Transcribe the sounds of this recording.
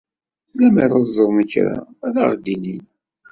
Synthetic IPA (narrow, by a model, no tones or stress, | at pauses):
læməɾˤəzˤəɾˤməçɾa̰ða̰ʁd̪inin